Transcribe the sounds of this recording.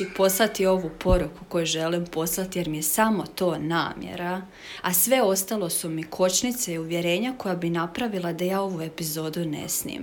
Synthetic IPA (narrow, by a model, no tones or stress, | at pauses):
ipo̞slˠat̪io̞ʋupo̞ɾukuko̞juʒe̞limpo̞slˠat̪ije̞ɾmijesamo̞t̪o̞ːna̰ːmjḛɾa | asʋe̞o̞st̪alˠo̞sumikʰo̞t͡ʃnit̪seiuʋje̞ɾe̞ːɲako̞jabinapɾaʋilˠad̪ajaːo̞ʋue̞pizo̞ːd̪une̞̰snḭːm